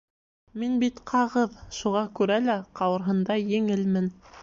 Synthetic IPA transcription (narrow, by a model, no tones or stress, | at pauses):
minbit̪qʰɑʁɤðʃuʁɑkʉɾælæqɑwɤ̆ɾɦɤ̆nd̪ɑjɘ̆ŋɘlmɘn